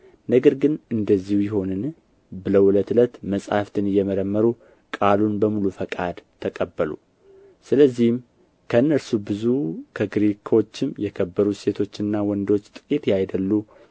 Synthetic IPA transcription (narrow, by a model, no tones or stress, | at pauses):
nəɡəɾɡɨnɨnd̪əzːihujɪɦo̞nɨn | bɨləwʔʊlət̪ɨlət̪məsʼa̰ft̪ʰɨnɨjːɛməɾəmːəɾu | kʼalunbəmulufəkʼad̪t̪ʰəkʼəbːəlṵ | sɨləzːihm | kʰəɨnːəɾsubɨzukʰəɡɾikʰot͡ʃːɪmjɛkʰəbːəɾuse̞t̪ʰo̞t͡ʃːɨnːawɔnd̪o̞t͡ʃːt̪ʼɨkʼit̪jajd̪əlːu